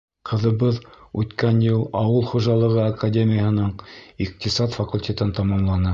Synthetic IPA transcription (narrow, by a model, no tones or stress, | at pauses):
qʰɤ̆ðɤ̆βɤðʉt̪kænjɤlˠɑwɤlˠχuʒɑlˠɤ̆ʁɤakadʲemʲɪjəhɤ̆nɤɴiq̚t̪isɑt̪fɐkulʲtʲet̪ɘnt̪ɑmɑmlˠɑnɤ